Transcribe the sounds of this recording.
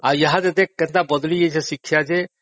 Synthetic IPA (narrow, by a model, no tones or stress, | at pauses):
ajɐɦad̪ed̪ekːɛnt̪abɔd̪lijet͡ʃʰesikʰːjad͡ʒe